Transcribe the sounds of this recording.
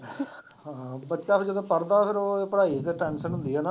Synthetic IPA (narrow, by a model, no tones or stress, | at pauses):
ɦãːbətːʃaːpd͡ʒəd̪õːpəɾd̪aːpɪɾoepəɾaːit̪əʈɛːnsənɦʊ̃nd̪iaːna